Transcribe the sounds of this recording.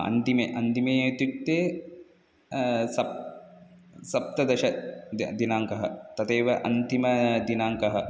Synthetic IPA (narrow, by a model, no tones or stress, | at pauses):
ɐ̰nt̪imeːʔɐnt̪imeːɐːt̪uk̚t̪ːeː | sɐ | sɐp̚t̪ɐd̪ɐʃɐd̪inaːŋkɐɦɐt̪ɐt̪eːʋɐʔɐ̰nt̪imɐd̪inaːŋkɐɦɐ